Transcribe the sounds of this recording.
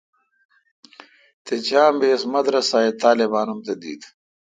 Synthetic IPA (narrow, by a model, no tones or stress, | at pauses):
t̪et͡ɕaːmbeːsmɐd̪ɾɐsaːet̪aːlebaːnumt̪ɐd̪ḭːd̪